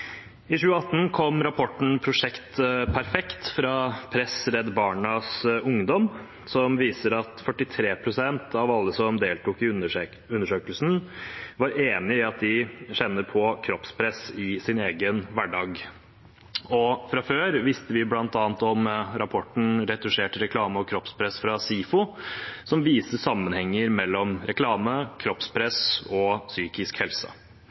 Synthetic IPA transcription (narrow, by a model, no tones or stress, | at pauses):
ɪɕʉːəɑt̪ːn̩kʰɔmːɾɑpʰɔʈːɳ̩pʰɾʊʂɛkt̪pʰæɾfɛkt̪fɾɑpʰɾɛsɾɛd̪bɑːɳɑsʊŋd̪ɔm | sɔmʋiːsəɾɑt̪fœʈːɪt̪ʰɾeːpʰɾʊsɛnt̪ʰɑʋɑlːəsɔmd̪eːlt̪uːkɪ | ʉnːəʂøːkəlsn̩ʋɑɾeːnɪɪɑt̪̚d̪ɪɕɛnːəɾpʰɔkʰɾɔpspʰɾɛsɪsɪneːɡənʋæɖɑːɡ | ɔfɾɑføːɾʋɪst̪əʋɪblɑnt̪ɑːnt̪ɔmɾɑpʰɔʈɳ̩ɾɛt̪ʉʂeːʈəɾɛkʰlɑːməɔkʰɾɔpspʰɾɛsfɾɑsiːfʊsɔmʋiːsəsɑmːənhɛŋːəɾmɛlːɔmɾɛklɑːməkʰɾɔpspʰɾɛsɔsyːkɪskhɛlsə̰